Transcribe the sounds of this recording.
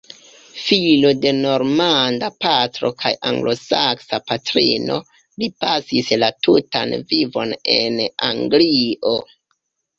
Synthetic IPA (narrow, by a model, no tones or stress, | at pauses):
filode̞no̞ɾmandapatɾo̞̰kʰajʔaŋɡlo̞saksapatɾḭno̞̰ | lipasislatutanvivo̞ne̞na̰ŋɡliʔo